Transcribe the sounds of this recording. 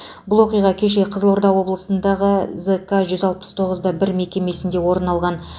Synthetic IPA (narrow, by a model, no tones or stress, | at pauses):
bʊlˠwo̞qijʁɑkʲʰe̞ʃ̬e̞qʰəzəlˠoɾd̪ɑwo̞blˠəsənd̪ɑʁəzekaʒʏzɑlˠpə̥st̪ʰo̞ʁəzd̪ɑbɪɾme̞kʲe̞me̞sɪnd̪e̞wo̞ɾnɑlˠʁɑn